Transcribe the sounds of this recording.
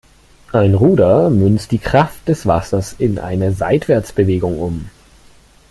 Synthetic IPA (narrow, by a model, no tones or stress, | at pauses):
ʔaɪnʁuːdɐmʏnstd̥iːkʁ̥aft̚d̥ɛsv̥a̰sɐsɪnʔa̰ɪnəza̰ɪtv̥ɛɐt͡sb̥əveːɡʊŋʔʊm